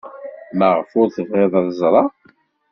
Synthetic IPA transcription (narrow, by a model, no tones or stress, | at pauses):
mæʁəfʊɾθəvʁeðˤɑðzˤɾˤɑ